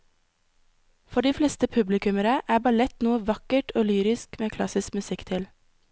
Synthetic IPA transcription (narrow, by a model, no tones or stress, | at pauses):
fɔɖiːflɛːst̪əpʰʉblɪkʉməɾəʔæːbɑlɛt̪nuːəʋɑkəʈʰoːlyːɾɪskmeːkʰlɑ̰sɪskmʉsɪkt̪ʰɪl